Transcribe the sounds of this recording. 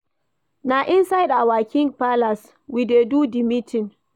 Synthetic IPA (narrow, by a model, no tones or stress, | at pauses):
naʔɪnsajɗawakʲɪŋɡpalas | wideːduːdimitɪn